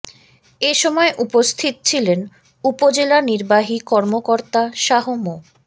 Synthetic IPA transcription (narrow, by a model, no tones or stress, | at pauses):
eʃɔmɔeʔupost̪ʰit̪̚t͡ɕʰilen | upod͡ʑelaniɾbaɦikɔɾmokoɾt̪aʃaɦomo